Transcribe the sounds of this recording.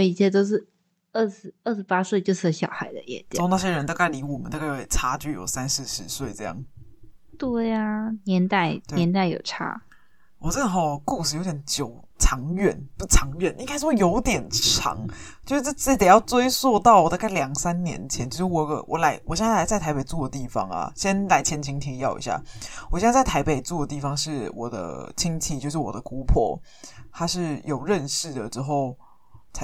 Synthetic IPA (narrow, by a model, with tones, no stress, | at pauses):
wɔ˧˩i˧˥ɕʰjɛ˥˧t̪o˥ʊʂ̬ɻ̩˥˩˧ | ə˥˩ʂɻ̩˧˥ə˥˩ʂɻ̩˧˥pa˥swe˥˩ɪt͡ɕjo˥˧ʊʂ̩˥˩˧ɕjɑ˨˩ʊxa˧˥ɪd̪ə̰˧jɛ̰˧˥nt͡ɕ̪jna˥˧˩ɕjɛ˥ɻə˧˦nt̪a˥˧˩ka˥˩ɪli˧˥wɔ˨˩mə˦t̪kjjʈ͡ʂʰa˥t͡ɕy˥˩jo̰˨˩ʊsa˦nʂɻ̩˧˥ʂɻ̩˧˥˦swe˥˩ɪʈ͡ʂɤ˥˧jɑ̰˥˩ŋ | t̪we˥˩ɪa˩njɛ˧˥nt̪a˥˩ɪe˧njɛ˧˥nt̪a˥˩ɪjo̰˨˩ʊʈ͡ʂʰa̰˥ | wɔ˨˩t͡sə˥˩nə˩xɑ˥˩ku˥˧ʂɻ̩˥˩jo˧˥ʊt̪jɛ˨˩nt͡ɕjo˨˩ʊt͡sʰɑ˧˥ŋɥɛ̰˥˩˦npu˥˩ʈ͡ʂʰɑ˧˥ŋɥɛ˥˩ni˧˥kʰa˥ʂ̩˥˩wɔ˥˩jo˧˥ʊt̪jɛ˨˩nʈ͡ʂʰɑ̰˧˥ŋt͡ɕjʊʂɻ̩˥˩t͡sːt͡s̩˥t̪jɑ˥˩ʊt͡swe˥ɪswɔ˥˧t̪ɑ˥˩ʊwɔ˨˩t̪a˥˩ka˥˩ljɑ˨˩ŋsa˦nnjɛ̰˧˥nt͡ɕʰjɛ˧˦nt͡ɕo˧˥˩wɔ˨˩˧ɡə̰˧˦wʔɔ̰˨˦la˧˥ɪwɔ˨˩ɕjla˧˥ɪt͡sa˥ɪt̪ʰa˧ɪpe˨˩ɪt͡swɔ˥˩d̪ə˩t̪i˥˩fɑ̰˦ŋɐ̰˨ɕjjɛ˥˦nla˧˥ɪt͡ɕʰjɛ˧˥nt͡ɕʰi˧˥ŋt̪ʰi˧˥ŋjɑ˥˩ʊʔḭ˧˥ɕja̰˥˩wɔ˨˩ɕjt͡sa˥˩ɪt̪ʰa˧˥ɪpe˨˩ɪt͡swɔ˥˩d̪ə˩t̪i˥˩fɑ˨˩ŋʂɻ̩˥˩wɔ̰˨˩d̪ə̰˦t͡ɕʰi˥ŋt͡ɕʰi˧˩t͡ɕjo˥˧ʊʂ̬ɻ̩˥˩wɔ̰˨˩d̪ə˦ku˥pʰwɔ̰˥˩t̪ʰa˥ʂɻ̩˥˩jo˨˩ʊɻə˥˧nʂɻ̩˥˩d̪ə˩ʈ͡ʂɻ̩˥xo˥˩ʊ | t͡sʰa˧